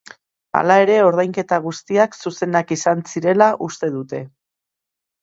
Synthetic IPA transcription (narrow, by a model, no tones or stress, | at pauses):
a̰lae̞ɾe̞o̞ɾðajŋke̞t̪aɣust̪iaksuse̞nakisansiɾe̞laʔust̪e̞ðut̪e̞